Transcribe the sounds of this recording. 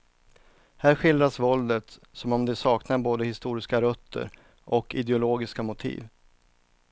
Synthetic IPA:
hæːɾɧɪld̪ɾasvɔld̪ət̪sɔmɔmd̪ɛsɑːknaɾboːd̪əhɪst̪uːɾɪskaɾœt̪ʰːə̰ɾ | ʔɔkɪd̪ɛʊloːɡɪskamʊt̪ʰḭːv

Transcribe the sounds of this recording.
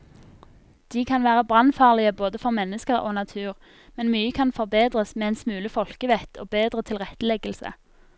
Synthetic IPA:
d̪̥iːkʰɑnʋæːʁəbʁɑnfɑːʁlɪəboːd̪əfɔʁmɛnːəskəʁoːnɑt̪ʰʉːʁ | mɛnmyːəkʰɑnfɔʁbeːd̪ʁəsmeːɛɛnsmʉːləfɔlkəʋɛt̪ʰo̰ːbeːd̪ʁət̪ʰɪlʁɛt̪ːəlɛɡəlsə̰

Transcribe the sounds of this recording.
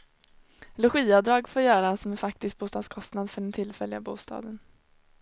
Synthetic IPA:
lɛɧiːad̪ɾɑːɡfoːɾjœːɾasɔmæɾfak̚t̪ɪst̪̚buːst̪ɑːd̪skʰɔst̪nad̪fœɖɛnt̪ʰɪlfɛlːɪabuːst̪ɑ̰ːd̪ən

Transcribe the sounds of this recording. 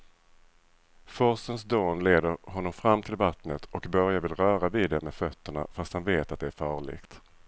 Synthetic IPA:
fɔsəns̬d̪oːnleːd̪əɾɦɔnːɔmfɾamːt̪ʰɪlvat̪nət̪ʰɔkbœɾjavɪlɾœːɾaviːd̪ɛmɛfœt̪ːəɳa̰fast̪hanveːt̪at̪̚d̪ɛæɾfɑːɭɪ̰ɡt̪

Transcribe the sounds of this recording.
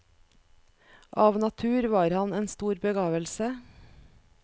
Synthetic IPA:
ʔɑːʋnɑt̪ʰʉːɾʋɑːɾhɑneːnst̪uːɾbəɡɑːʋəlsə

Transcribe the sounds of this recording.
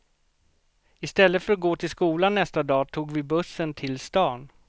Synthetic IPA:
ɪst̪ɛlːət̪fœɾat̪̚ɡoːt̪ʰɪlskuːlanːɛst̪ad̪ɑːt̪ʰuːɡvɪbɵsːənt̪ʰɪlst̪ɑːn

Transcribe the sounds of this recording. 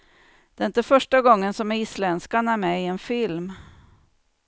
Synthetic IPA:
d̪̥ɛɪnt̪əfœʂʈaɡɔŋːənsɔmislɛnskaɳaæɾmɛɪɛnfɪlm

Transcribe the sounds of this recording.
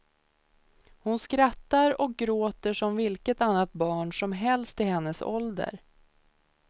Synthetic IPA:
hʊnskɾat̪ːaɾɔk̚ɡɾoːt̪əʂɔmvɪlkət̪anːat̪̚bɑːɳʂɔmɦɛlst̪ɪhɛnːəsɔ̰ld̪ə̰ɾ

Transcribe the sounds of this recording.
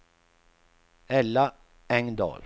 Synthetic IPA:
ɛlːa | ɛŋd̪ɑ̰ːl

